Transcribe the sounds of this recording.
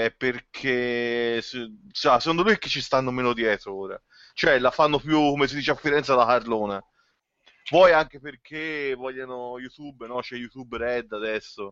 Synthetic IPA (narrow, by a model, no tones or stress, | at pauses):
ɛpːerkʰessase̥kond̪olujk̟ːe̥t͡ʃːist̪anːomeːnod̪jɛːt̪ɾooːɾa̰ | t͡ʃoɛlafanːopjukːomes̬id̪iːt͡ʃeafːiɾɛnt̪salːakarloːna | vwɔjaŋkeperkʰevɔʎːanojut̪ubnɔt͡ʃɛjut̪ubɾɛd̪ːad̪ɛsːo